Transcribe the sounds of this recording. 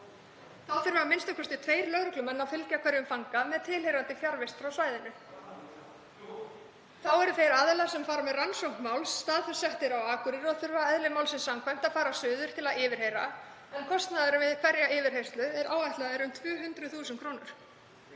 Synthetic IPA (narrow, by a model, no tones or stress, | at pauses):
θawθʏɾvaːamɪnst̪ʏkʰɔst̪ɪt̪ʰveːjɾlœɣɾʏklʏmɛnːafɪlcakʰvɛɾjʏmfaŋkamɛðt̪ʰɪlejɾant̪ɪfjaɾvɪst̪fɾawsvaːjðɪnʏ | θawɛɾfeɾaðlḁsɛmfaːɾamɛðransowŋkmawlsːt̪aːðfɛɾ̥sɛht̪ɪɾawaːkʏɾɪɾɔðθʏɾvɛːɾaɛðlɪmawlsɪnsamkʰvajm̥t̪aðfaːɾasʏːðʏɾ̥t̪ʰɪlaðɪːvɪɾ̥hejɾa | ɛnkʰɔst̪naðaɾʏvɪðkʰvɛɾjaɪːvɪɾhejst̪lʏɛɾʔaːwvajht̪laðɪɾʏmt̪ʰvœːɦʏnt̪ɾʏθuːsɛnkʰɾoːwnʏɾ̥